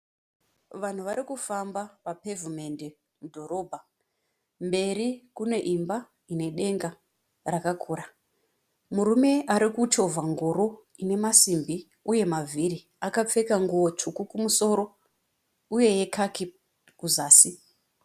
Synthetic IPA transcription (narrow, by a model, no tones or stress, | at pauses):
ʋan̤uʋaɾikufambapapevume̞nde | mudʱo̞ɾo̞bʱa | mbe̞rikune̞ʔimba | ine̞ɗe̞ŋɡa | rakakʰuːɾa | muɾume̞aɾikuto̞vʱaŋɡoɾo̞ | ine̞masimbi | uje̞mavʱiri | akap͡fe̞kaŋɡuwo̞t͡ʂukukumuso̞ːɾo̞ | uje̞je̞kʰaki | kuzaːsi